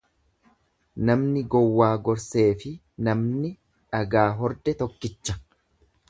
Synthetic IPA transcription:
nɐmnɪɡɔwːaːɡɔɾse̞ːfɪ | nɐmnɪ | ᶑɐɡaːɦɔɾd̪ɛt̪ɔkːɪt͡ʃːɐ̥

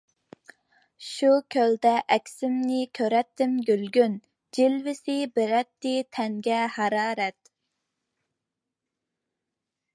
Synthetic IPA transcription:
ʃukʲʰøld̪ɛʔɛkʲsɪmnɪkʲʰøɾɛt̪ːɪmɡʲylɡʲyn | d͡ʒilvɪsɪbɪɾɛt̪ːɪt̪ʰɛŋɡʲɛhɑɾɑːɾɛt̪

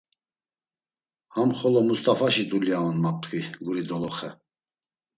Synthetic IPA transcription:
hamχɔlɔmust̪ʼafaʃid̪uljaɔnmap̚t̪ʼkʼiɡuɾid̪ɔlɔχɛ

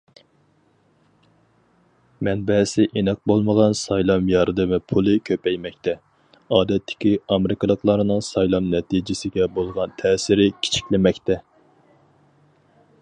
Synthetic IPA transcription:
mɛnbɛsɪʔenɑq̚bolˠməʁɑnsɑjlˠɑmjɑɾd̪ɨmɪpʰulˠɨkʲʰøpɛjmɛk̚ʲt̪ʰɛ | ɑːd̪ɛt̪ʰːɪ̥kʲiɑmɪɾɪkɑlˠəqlˠɑɾnɨŋsɑjlˠɑmnɛt̪id͡ʒɪsɪɡʲɛbolˠʁɑnt̪ʰɛːsɪɾɪkʲʰi̥t͡ʃʰi̥kʲlɪmɛkʲt̪ɛ

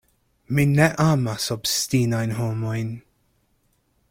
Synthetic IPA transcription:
minɛʔamasɔbst̪iːnajnɦɔːmɔjn

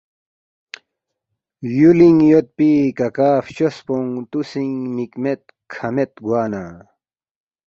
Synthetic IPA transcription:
juliŋjot̪̚pikɐkaːft͡ɕospoŋt̪usiŋnikmet̪̚ | kʰɐmet̪ɡwaːnaː

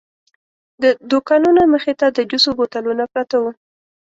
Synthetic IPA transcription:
d̪əd̪okɑnunaməxet̪ad̪əd͡ʒusobot̪alunaplat̪awu

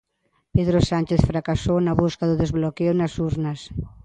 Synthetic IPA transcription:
peðɾosant͡ʃeθfɾakasownɐβuskaðʊðezβlokewnɐsuɾnɐs

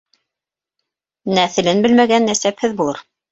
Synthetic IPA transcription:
næθɘ̆lɘnbɘlmæɡænːæsæphɘðbulˠɤ̰ɾ

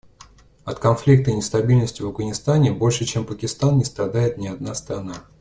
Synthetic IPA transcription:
ɐt̪kɐnflʲik̚t̪ənʲɪst̪ɐbʲilʲnəsʲtʲɪvɐvɡənʲɪst̪anʲɪbo̞lʲʂɨt͡ɕempəkʲɪst̪annʲɪst̪ɾɐd̪ajɪt̪nʲɪɐd̪nast̪ɾɐna

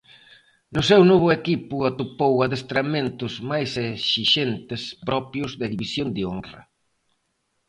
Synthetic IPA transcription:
nʊsɛwnoβ̞ʊekipʊat̪upowaðest̪ɾamẽnt̪ʊzmajseʃiʃent̪ɪspɾɔpjʊzðeðiβisjond̪eonrɐ̰

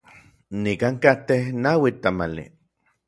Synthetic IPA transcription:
nikaŋkat̪ehnawit̪amalḭ

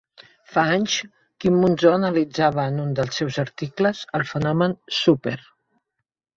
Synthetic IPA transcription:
faaɲʃ | kimːunzɔənəlid͡zaβəːnund̪əlˠsɛwzəɾt̪ikləzəlˠfənɔmənsupeɾ

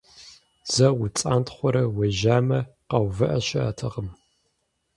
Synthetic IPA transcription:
z̥ɐwʊt͡sʼaːntχʷɔɾɐwɐʒaːmɐqɐwvɨʔɐɕɐa̰ːtʰɐʁəm

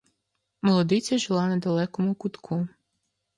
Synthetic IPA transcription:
mɔlˠɔd̪ɪt͡sʲɐʒɪlˠɑnɐd̪ɐlˠɛkɔmʊkʊt̪kʰu

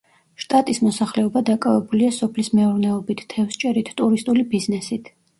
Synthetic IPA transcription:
ʃt̪ʼat̪ʼismɔsaχlɛɔbad̪akʼavɛbuliasɔpʰlismɛuɾnɛɔbit̪ʰt̪ʰːɛfst͡ʃʼɛɾit̪ʰt̪ʼuɾist̪ʼulibiznɛsit̪ʰ

